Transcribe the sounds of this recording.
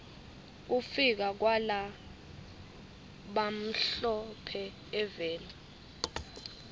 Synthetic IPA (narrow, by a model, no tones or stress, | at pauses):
k̬ufik̬ak̬wala | ɓam̩ɬɔpʰɛ | ɛvɛːni